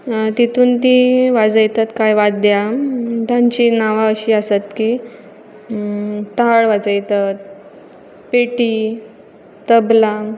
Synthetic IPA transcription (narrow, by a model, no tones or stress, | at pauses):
t̪it̪ʰuːnt̪̬iʋad͡zəjt̪at̪kajʋat̪̚d̪jat̪jãɲt͡ɕiːnaʋaəɕiːəsət̪ki | t̪aɭʋad͡zəjt̪at̪̚ | peʈiː | t̪əbla